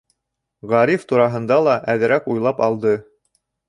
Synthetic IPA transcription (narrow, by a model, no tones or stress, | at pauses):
ʁɑɾift̪uɾɑɦɤ̆nd̪ɑlˠɑʔæðɘ̆ɾækujlˠɑpɑlˠd̪ɤ